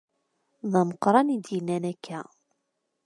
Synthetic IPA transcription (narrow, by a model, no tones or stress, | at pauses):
ðɑməqɾˤɑnid̪jinːænækʰːæ